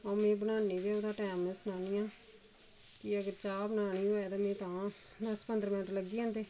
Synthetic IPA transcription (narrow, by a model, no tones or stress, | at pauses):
õːmẽːbənaːneːd̪eːoːd̪aːʈɛːmeːsənaːniːãː | kiəɡəɾt͡ʃaːbənaːniːoːɛd̪aːmẽːt̪ãːd̪əspənd̪əɾmɪnəʈɾləɡiːɦãːnd̪eː